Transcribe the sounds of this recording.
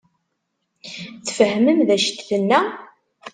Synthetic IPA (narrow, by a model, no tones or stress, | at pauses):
θfəhməmðæʃt̪θənːæ